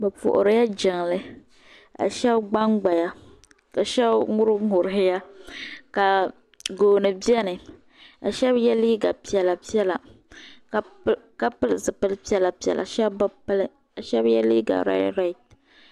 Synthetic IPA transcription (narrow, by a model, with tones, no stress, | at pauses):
bɨ˨fʊ̰˨ʔʊ̰˨ɾɨ˦ja˦d͡ʒɪ˨ŋlɨ˦ | a̰˨ʃɛ˦bɡ͡ba˦ŋɡ͡ba˨ja˦ | ka˨ʃɛ˦bŋʊ˦ɾɨ˦ŋʊ˨ɾɨ˨ɦɪ˦ja˦ka˨ | ɡoː˨nɨ˨bi˦ɛ˦nɨ˨ | a˨ʃɛ˦bjɛ˦liː˦ɡa˨pi˦ɛ˨la˨pi˦ɛ˦la˨˦ | ka˦pɨ˦lzɨ˨pɨ˦lɨ˦pi˦ɛ˦la˨pi˦ɛ˨lʔa̰˨ʃɛ˦bbɔ˦pɨ˦lɨ˦ | a˨ʃɛ˦bjɛ˦liː˦ɡa̰˨ɾa̰˦ɾa˦i˨t